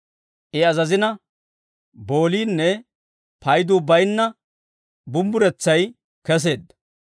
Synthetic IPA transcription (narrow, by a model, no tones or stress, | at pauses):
ʔɪɐzɐzɪnɐ | bo̞ːliːnːɛ | pɐjd̪uːbɐjnːɐ | bʊmbʊɾɛt͡sːɐj | kɛs̬e̞ːd̪ːɐ̥